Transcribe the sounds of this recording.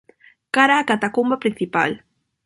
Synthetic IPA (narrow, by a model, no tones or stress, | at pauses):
kaɾakat̪akʊmbapɾɪnθɪpa̰l